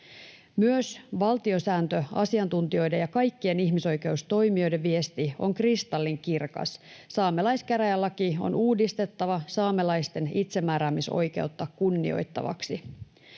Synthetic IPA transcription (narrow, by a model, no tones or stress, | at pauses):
myøsʋɑlt̪io̞sæːnt̪øɑ̰siɑnt̪unt̪io̞jde̞jɑkɑjkːie̞niçmiso̞jke̞ust̪o̞jmio̞jde̞ʋʋie̞st̪io̞̰ŋkrist̪ɑlːiŋkirkɑ̰sːɑːmelɑjskæɾæjælːɑkio̰nuːdist̪e̞t̪ːɑʋɑsɑːmelɑjst̪e̞nit̪se̞mːæːɾæːmiso̞̰jke̞̰wt̪ːɑkkunːḭo̞̰jt̪ːɑ̰ʋɑ̰ksi